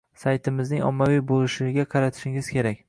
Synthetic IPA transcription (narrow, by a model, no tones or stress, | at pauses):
sajt̪ʰɪmɪznɪŋɒ̰mːavijbolɪʃɪɡʲaqʰɑɾat̪ʰɪ̥ʃɪŋɪz̥kʲʰe̞ɾakʲ